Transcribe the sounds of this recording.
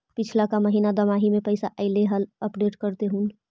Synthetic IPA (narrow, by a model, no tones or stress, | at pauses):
pɪt͡ʃʰlakaməɦiːnad̪əmaːɦimẽpəɪsaʔəɪleɦələpɖeːʈkəɾt̪eɦũːn